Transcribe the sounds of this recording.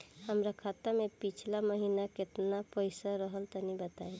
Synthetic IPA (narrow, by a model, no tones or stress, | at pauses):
həmɾakʰat̪əmẽpit͡ʃʰlaməɦinakɪt̪napəɪsaɾəɦəlt̪ɔnibət̪ae